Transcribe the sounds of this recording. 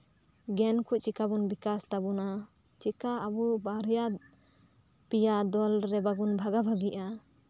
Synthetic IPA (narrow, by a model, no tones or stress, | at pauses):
ɡɛnkʰuʔt͡ʃikabunbikast̪abuna | t͡ʃikaːbubaɾja | pijad̪ɔlɾɛbaɡunbʱaɡabʱaɡiʔa